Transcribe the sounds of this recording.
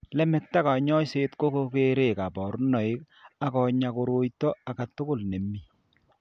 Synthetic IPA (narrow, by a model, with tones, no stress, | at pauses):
lɛ˦mɛ˨k̚ta˦ka˨ɲɔ˦se˦tko˦ko˦ke˦ɾe˨ka˨bɔ˨ɾnɔ˨ɪ˦k̚ | a˨kɔ˨ɲa˨ko˨ɾo˨jtɔ˦a˨ka˨tʊ˦kʊ˦˨lne˨mːi˦